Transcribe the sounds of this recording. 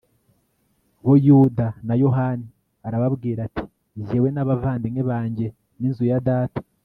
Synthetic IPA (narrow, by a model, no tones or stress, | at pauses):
wojudanajo̞ɦani | aɾaβabɡiːɾati̥ | zewe̞naβavaːndiŋeβaːɲɟe̞ | ninzujadaːtḁ